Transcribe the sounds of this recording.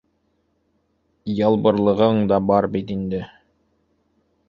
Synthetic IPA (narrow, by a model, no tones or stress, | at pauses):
jɑlˠbɤ̆ɾlˠɤ̆ʁɤɴd̪ɑbɑɾbit̪ind̪ɘ